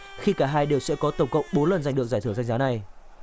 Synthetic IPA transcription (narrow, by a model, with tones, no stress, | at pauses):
xi˧kaː˧˩ɦaː˧jɗe˨˩wsɛ̰˧˥kɔ˨˦t̪ə˧˩wŋ͡mkə̰˧˨wŋ͡mɓo˨˦nlə˨˩nzjŋ̟ɨ˨˩ək̚zaː˧˩t̪ʰɨ˧˩˨za˧ŋzaː˨˦na˨˩j